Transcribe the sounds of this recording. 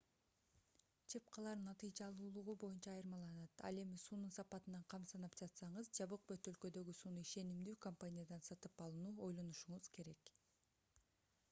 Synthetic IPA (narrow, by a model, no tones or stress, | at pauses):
t͡ʃʰep̚qʰɑlˠɑɾnɑt̪ɨjd͡ʒɑlˠuːlˠuʁubo̞junt͡ʃɑːjɯɾmɑlˠɑnɑt̪ɑ̰le̞misuːnunsɑpɑt̪ɯnɑɴqʰɑmsɑnɑpd͡ʒɑt̪sɑɴɯzd͡ʒɑβɯq̚bøt̪ø̞lkø̞d̪ø̞ɡysuːnuiʃe̞nimd̪yːkompanʲijad̪ɑnsɑt̪ɯpɑlˠɯnuːo̞jlˠo̞nuʃuɴuz̥ke̞ɾe̞k